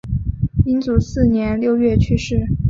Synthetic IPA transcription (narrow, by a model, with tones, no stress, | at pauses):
i˥nt͡su˨˩sɹ̩˥˩njɛ˧˥nljo˥˧ʊɥɛ˥˩t͡ɕʰy˥ʂɻ̩˥˩